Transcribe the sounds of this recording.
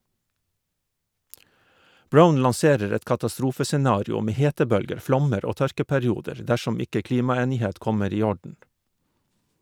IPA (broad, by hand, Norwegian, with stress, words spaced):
ˈbɹaʊn lɑnˈseːɾəɾ ˈɛt kɑtɑˈstɾuːfəsɛˌnɑːɾɪʊ ˈmeː ˈheːtəˌbœlɡəɾ ˈflɔməɾ ˈoː ˈtœɾkəpɛɾɪˌuːdəɹ ˈdæʃɔm ˈɪkə ˈkliːmɑˌeːnɪˌheːt ˈkɔməɾ ˈiː ˈɔɖɳ̩